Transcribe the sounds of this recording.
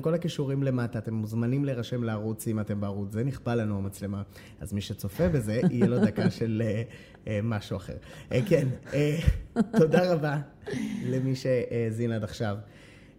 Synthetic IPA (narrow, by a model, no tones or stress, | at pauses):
mko̞lakiʃuʁimle̞mataːt̪e̞mːuzmanimleʁaʃe̞mlaːʁut͡simate̞mbeaʁut͡szeniχbalːanuamat͡sle̞ma | a̰zmiʃe̞t͡so̞fe̞be̞ze̞ʔijelodakaʃe̞le | maʃuaχe̞̰ʁkeneto̞daʁaba | le̞miʃe̞ʔezinadaχʃav